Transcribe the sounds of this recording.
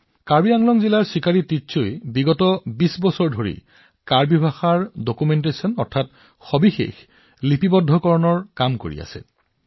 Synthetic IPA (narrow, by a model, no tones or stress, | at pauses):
kaɹbiaŋlɔŋzilaɹsikaɹitisojbiɡɔtɔbisbɔsɔɹdʱoɹḭ | kaɹbibʱaxaɹdokumentesɔnɔ̰ɹtʰat | xɔbixḛx | lipibɔdʱːɔkɔɹɔnɔɹkamko̰ɹḭa̰sɛ̰